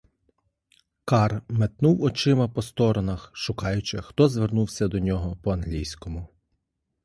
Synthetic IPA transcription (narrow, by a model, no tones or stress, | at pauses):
kɑrmet̪nuwɔt͡ʃɪmɐpɔst̪ɔɾɔnɐxʃʊkɑjʊt͡ʃɪxt̪ɔzʋernuwsʲɐd̪ɔnʲɔɦɔpɔɐnɦlʲijsʲkɔmʊ